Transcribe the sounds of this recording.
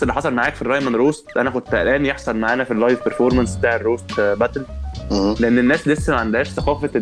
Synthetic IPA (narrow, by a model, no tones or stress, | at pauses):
elːiħɑsˤɑlmaʕaːkfirˤɑjmænɾoːst̪ʔænækont̪ʔæ̰lʔæːnjeħsˤɑlmaʕaːnæfilːɑjvpeɾfoɾˤmænsbet̪aːʕerːoːst̪bæt̪l | leʔenːenːæːslesːæmaʕand̪hæːʃθæqɑːfæ